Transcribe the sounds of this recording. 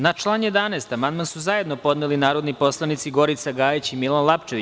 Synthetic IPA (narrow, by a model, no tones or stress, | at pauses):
nat͡ʃlˠaːnje̞d̪anɛːst̪amand̪mansuzaje̞d̪no̞po̞d̪nelinaːɾo̞d̪nipo̞slˠanit̪siɡo̞ɾit̪saɡaːjit͡ɕimilanlˠapt͡ʃeʋi